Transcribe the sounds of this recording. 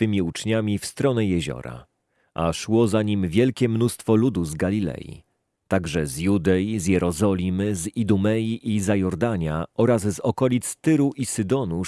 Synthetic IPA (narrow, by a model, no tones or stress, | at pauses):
t̪ɘmʲiut͡ʂɲamʲifst̪ɾɔnɛjɛʑɔ̰ɾa̰ | ʔa̰ʂwɔzaɲimvʲjɛlkʲɛmnust̪fɔlud̪uzɡalʲilɛ̰jḭ | t̪aɡʐɛzjud̪ɛjizjɛɾɔzɔlʲimɘzid̪umɛjiʔizajɔɾd̪aɲaɔɾazzɔkɔlʲit̪st̪ɘɾuʔisɘd̪ɔnu